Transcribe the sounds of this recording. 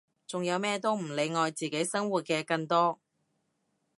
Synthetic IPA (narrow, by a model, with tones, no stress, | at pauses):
t͡sʊ˨ŋjɐ˨˧wmɛː˥t̪o˥wm̩˨˩le˨˧jŋɔː˨˧jt͡siː˨˩ke˨˥jsɐ˥ŋwuː˨t̚kɛː˧kɐ˧ŋt̪ɔː˥